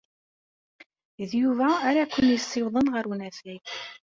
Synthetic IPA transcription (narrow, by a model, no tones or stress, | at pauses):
ðjuvæːɾakʷːənjəsˤːɪwðˤənʁəɾwnæfæj